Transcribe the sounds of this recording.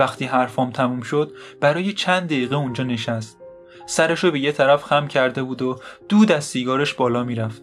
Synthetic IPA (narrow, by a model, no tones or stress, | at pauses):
æxt̪ʰiːɦæɾfɒːmt̪ʰæmuːmʃod̪̥̚b̥æɾɒːjet͡ʃʰænd̪d̪eiːɣeund͡ʒɒːne̞ʃæst̪ | sæɾeʃobe̞jet̪ʰæɾæfxæmcʰæɾd̪e̞buːd̪od̪̥uːd̪æzsiːɡɒːɾeʃbɒːlɒːmiːɾæft̪̚